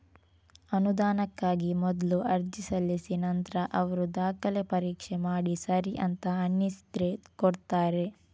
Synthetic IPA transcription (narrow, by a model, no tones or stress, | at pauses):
ɐnud̪aːnɐkːaːɡimɔd̪luʔɐɾd͡ʒisɐlːisinɐnt̪ɾɐʔɐʋɐɾud̪aːkɐlepɐɾiːkʂemaːɽisɐɾiʔɐnt̪ɐɐnːisd̪ɾekoɽt̪aːɾe̞